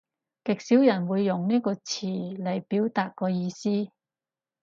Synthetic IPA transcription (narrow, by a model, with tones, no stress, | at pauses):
kɪ˨k̚siː˨˥wjɐ˨˩nwuː˨˧jːʊ˨ŋniː˥kɔː˧t͡sʰiː˨˩lɐ˨˩jpiː˨˥wt̪aː˨˧t̚kɔː˧jiː˧siː˥